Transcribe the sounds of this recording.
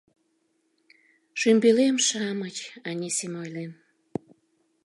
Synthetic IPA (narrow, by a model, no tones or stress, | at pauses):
ʃymbelemʃɑmət͡ɕɑnʲesemojlen